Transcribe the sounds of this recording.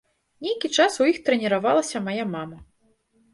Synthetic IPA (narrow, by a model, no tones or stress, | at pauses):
nʲejkʲit͡ʂasujixt̪ɾɛnʲɛɾavalˠɐsʲɐmajamamɐ